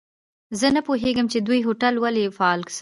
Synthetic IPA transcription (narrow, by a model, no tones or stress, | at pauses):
zənapoɦeɡəmt͡ʃed̪ujɦoʈalwalefaɑlks